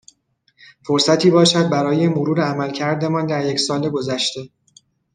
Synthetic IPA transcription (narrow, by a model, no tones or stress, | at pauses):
foɾsæt̪ʰiːbɒːʃæd̪̚bæɾɒːje̞moɾuːɾeæmælcʰæɾd̪e̞mɒːnd̪æɾje̞csɒːle̞ɡo̞zæʃt̪e̞